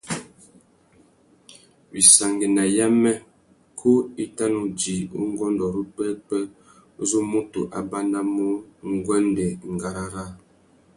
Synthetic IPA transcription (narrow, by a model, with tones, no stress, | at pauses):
bi˨sa˨ŋɡi˨na˨ja˦mɛ˦ | kʰo˦i˦ta˦nu˨d͡ʒi˨ṵ˦ŋ˦ɡɔ˦ndɔ˨ɾu˦k͡pɛ˦k͡pɛ˦ | zu˦mo˦tṵ˨ʔa˨ba˦na˦mu˦ŋ˦ɡwɛ˦ndɛ˨ŋ̩˨ɡa˨ɾa˨ɾa˦˨